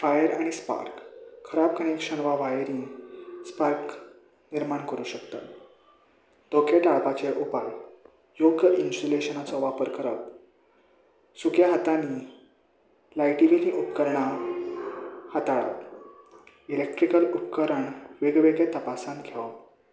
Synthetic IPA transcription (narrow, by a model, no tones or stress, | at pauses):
fajəɾaɽ̃ispa̰ɾkʰːəɾab̚kəɳekʂəɳʋaʋajɾispaɾk | niɾmaɳkəɾuːɕəkt̪a̰t̪ | d̪okʰeʈaɭpat͡ɕeʔupaj | joɡəʔinsuleɕənat͡sɔʋapəɾkəɾap̚ | suɡjaɦət̪ani | lajʈiʋiliʔupkəɾɳa | hat̪aɭa̰p | ilek̚ʈɾikəlupkəɾəɳʋeɡʋeɡet̪əpasãnɡʰʱɛw